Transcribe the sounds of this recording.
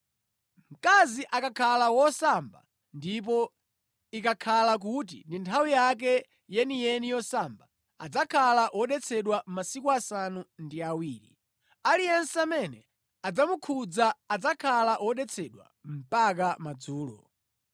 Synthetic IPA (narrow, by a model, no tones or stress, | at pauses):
m̩kaziʔakakʰalawɔsamba̰ | ndip̬ɔ | ikakʰalak̬ut̬ḭndintʰawijak̬ɛ | jɛnijɛnijɔsamba | a̰d͡zakʰalaʔwɔɗɛt͡sʰɛɗwamasikuasanundiawiːɾḭ | alijɛnsɛamɛnɛ | ad͡zamukʰud͡zaːd͡zakʰalaʔwɔɗɛt͡sʰɛɗwa̰m̩pak̬amad͡zuːlɔ̰